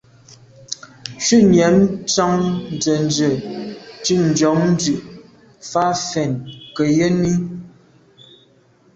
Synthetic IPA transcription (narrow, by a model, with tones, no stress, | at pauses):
ʃʉ˦˨njɛ˨˦mt͡sɔ˦ŋn̩˨d͡zə˨n˨d͡ʒə˨ti˦˨n̩˨d͡ʒɔ˨˦ŋn̩˦d͡zʉ˨ʔ | fa˦fɛ˨nkə˨jə˦ni˦